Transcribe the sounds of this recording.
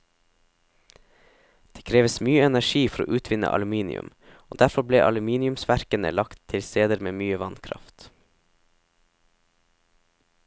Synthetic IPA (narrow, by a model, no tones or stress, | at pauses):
d̪̥eːkʰɾeːʋəsmyːəɛnæʃiːfɔɾo̰ːʔʉːt̪ʰʋɪnə̰ʔɑ̰lʉmiːnɪ̰ʉ̰m | oːd̪æɾfɔblḛːʔɑlʉmiːnɪʉmsʋæɾkənə̰lɑkt̪ʰːɪlst̪eːd̪əɾmeːmyːəʋɑnkʰɾɑ̰ft̪